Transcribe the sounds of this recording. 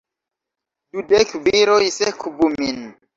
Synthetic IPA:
dudekbiɾojsekʰubumin

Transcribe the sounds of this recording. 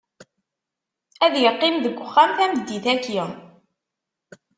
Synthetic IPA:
æðjəqːɪmðəɡʷːəχːæmθæməd̪ːiθæki

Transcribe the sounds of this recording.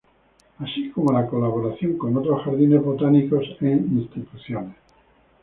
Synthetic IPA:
asikomolakolaβ̞o̞ɾaθjoŋko̞not̪ɾosxaɾðine̞zβot̪aniko̞seŋinst̪it̪uθjones

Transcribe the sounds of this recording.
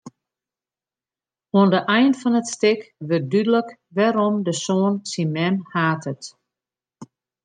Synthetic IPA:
oəndəʔɛjnfɔnətstɪkʋət̚dydələk | ʋɛɾɔmdəsoːənsimɛmhaːtʰət

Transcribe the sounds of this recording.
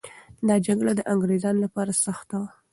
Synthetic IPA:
d̪ɑd͡ʒaɡɽad̪əʔaŋɡɾezɑnlapɑɾasaxt̪awa

